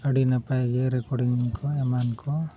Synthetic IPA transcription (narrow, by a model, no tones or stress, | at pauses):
əɽinapajɡɛɾɛkɔɽiŋŋkʰɔɛmankʰɔ